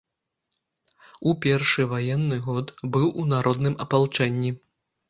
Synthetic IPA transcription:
upʲɛrʂɨvajɛnːɨɣɔt̪bɨwʔunaɾʔɔd̪nɨmɐpalˠt͡ʂɛnʲːi

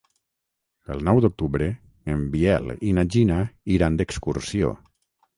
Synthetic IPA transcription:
əlˠnɔwd̪uk̚t̪uβɾə | əmbiɛlinaʒinaiɾand̪əkskursio̰

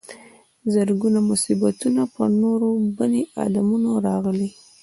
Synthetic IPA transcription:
zəɾɡunamʊsibat̪unapənoɾobaneʔa̰lamunoɾɑɣəli

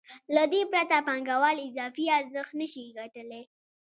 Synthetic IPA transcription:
lad̪epɾat̪apaŋɡawɑlɪzɑfiaɾzəxt̪nəʃiɡaʈəle

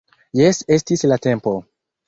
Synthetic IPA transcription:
jese̞stislate̞mpo̞

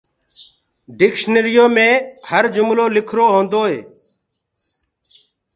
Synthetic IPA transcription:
ɖɪkʃnəɾɪjoːmẽːhəɾd͡ʒʊmloːlɪkʰɾoːɦõːnd̪oːɦḛː

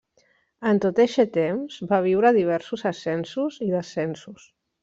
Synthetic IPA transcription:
ənt̪ot̪eʃɛt̪emzbaβ̞iwɾəðiβ̞ɛɾsuzəsɛnsuziðəsɛnsus

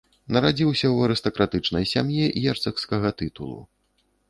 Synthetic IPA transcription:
nɐɾad͡zʲiwsʲɐwɐɾɨst̪ɐkɾat̪ɨt͡ʂnɐjsʲamjiʔjɛrt̪sɐkskɐɣɐt̪ɨt̪ulˠṵ

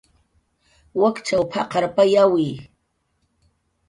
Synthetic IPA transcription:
wakt͡ʃawpʰɑqɑɾpajawij

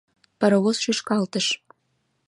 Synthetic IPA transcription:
pə̆ɾoβosʃyʃkɑlt̪əʃ

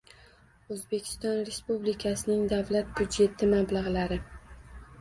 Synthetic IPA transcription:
ɵzbe̞kʲʰɪ̥st̪ɒnɾe̞spublikʲʰasɪnɪŋd̪avlat̪̚b̥ud̪d͡ʒe̞t̪ʰɪmablaʁlaɾɪ

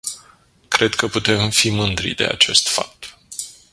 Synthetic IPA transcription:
kɾe̞d̪kəput̪e̞mfimɨnd̪ɾḭd̪e̞̰a̰t͡ʃe̞st̪fa̰k̚t̪

